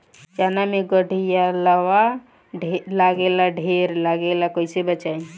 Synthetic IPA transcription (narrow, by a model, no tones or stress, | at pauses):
d͡ʒanameɡəɽʱijalawa | laɡelaɖʱeɾlaɡelakojsebət͡ʃaj